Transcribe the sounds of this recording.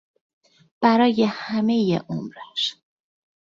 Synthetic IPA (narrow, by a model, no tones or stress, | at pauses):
b̥æɾɒːjehæme̞jḛʔomɾæʃ